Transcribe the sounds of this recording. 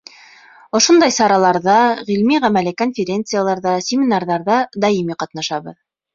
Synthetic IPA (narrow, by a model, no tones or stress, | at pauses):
ŏʃond̪ɑjsɑɾɑlˠɑɾðɑʁilmiʁæmælɘkonfʲɪɾʲe̞nt̪sɨjalˠɑɾðɑsʲɪmʲɪnɑrðɑɾðɑd̪ɑjimiqɑt̪nɑʃɑβɤ̰ð